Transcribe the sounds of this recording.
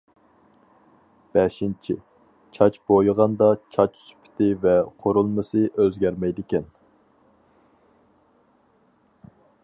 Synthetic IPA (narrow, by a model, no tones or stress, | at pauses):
b̥ɛʃint͡ʃʰḭ | t͡ʃʰɑt͡ʃbojʁɑnd̪ɑt͡ʃʰɑt͡ʃsy̥pʰɪ̥t̪ʰɪvɛqʰoɾulˠmɨsɨʔøzɡʲæɾmɛjd̪ɪkʲɛn